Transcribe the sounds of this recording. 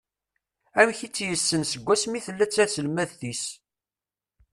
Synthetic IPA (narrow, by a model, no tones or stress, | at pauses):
æmçit͡sːjəsːənsəɡʷːæsmiθəlːæt͡sːæsəlmæðθis